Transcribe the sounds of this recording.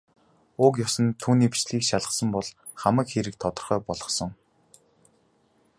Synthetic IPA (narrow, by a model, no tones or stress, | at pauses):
ʊk̬jɔsə̆nt̪ʰːuːniːpi̥t͡ɕɮiːkʃaɮə̆χsə̆mpɔɮ | χamə̆kxeɾɘ̆k̚t̪ʰɔt̪ɞ̆rχœːpɔɮʁɞ̆χsɞ̆ŋ